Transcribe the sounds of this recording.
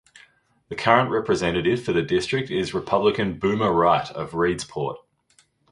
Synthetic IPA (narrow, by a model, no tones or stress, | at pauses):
ðəkʰʌɹə̃nʔɹɛpɹɨzɛ̃ñɨɾɪv̥fəðɨdɪstɹ̥ɪk̚tɪzɹɨpʰʌblɪkə̃nbʉːməɹaɪɾə̰vɹiːdz̥pʰɔ̰ˑt̚